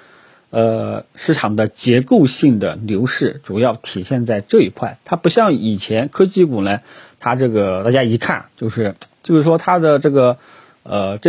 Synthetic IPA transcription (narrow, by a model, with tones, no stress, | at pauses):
ə˧ʂɻ̩˥˩ʈ͡ʂʰɑ˨˩ŋd̪ə˦t͡ɕjɛ˧˥ko˥˧ʊɕi˥˩ŋd̪ə̰˩ljo˧˥ʊʂɻ̩˥˩ʈ͡ʂu˨˩jɑ˥˩ʊt̪ʰi˨˩ɕjɛ˥˧nt͡sa˥˧ɪʈ͡ʂɤ˥˧˩i˧˥kʰwa˥˩ɪt̪ʰa˥pu˧˥ɕjɑ˥˩ŋi˨˩t͡ɕʰjɛ˧˥nkʰɤ˥t͡ɕi˥ku˨˩na˧˥ɪt̪ʰa˥ʈ͡ʂɤ˥˩ɡə˩t̪a˥˩t͡ɕja˥i˧˥kʰa̰˥˩nt͡ɕjo˥˧ʊʂɻ̩˥˧t͡ɕjo˥˧ʊʂɻ̩˥˩ʂwɔ˥t̪ʰa˥d̪ə˨ʈ͡ʂɤ˥˩ɡə˩ | ə˧˩ʈ͡ʂ